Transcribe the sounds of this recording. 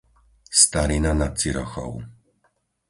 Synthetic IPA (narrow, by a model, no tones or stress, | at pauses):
st̪aɾinanat̪siɾɔxɔ̰w